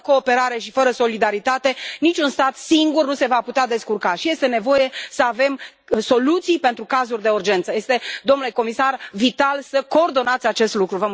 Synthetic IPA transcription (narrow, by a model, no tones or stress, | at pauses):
ko̞ːpe̞ɾaɾe̞ʃifəɾəso̞lid̪aɾit̪at̪e̞nit͡ʃʲunst̪at̪siŋɡurnuse̞vaput̪ead̪e̞skurkaʃije̞st̪e̞ne̞vo̞je̞səave̞m | so̞lut̪sijpe̞nt̪ɾukazurʲd̪e̞urd͡ʒe̞nt̪səje̞st̪e̞d̪o̞mnule̞ko̞misarvit̪alsəkoːrd̪o̞nat̪sʲat͡ʃe̞st̪lukɾuvəm